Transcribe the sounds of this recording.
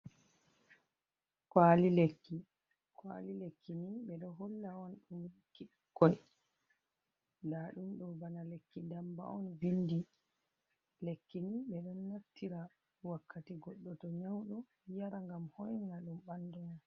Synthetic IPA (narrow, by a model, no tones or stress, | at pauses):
kwaːlilekːi | kwa̰lilekʰːiniɓɛɗɔɦɔlːaɔnɗumikːi | kːɔj | laɗumɗɔbanalekːidamba̰ɔnbindi | lekːiniɓɛɗɔnːaftːiɾa | wakːatiɡɔɗːɔtɔɲawɗɔ | jaɾaŋɡamhɔjnnaɗumɓandɔna